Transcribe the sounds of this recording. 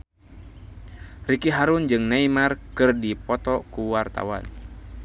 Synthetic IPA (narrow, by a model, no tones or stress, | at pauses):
rikiɦaɾund͡ʒɨŋnaimarkɨrdipɔt̪ɔkuwart̪a̰wa̰n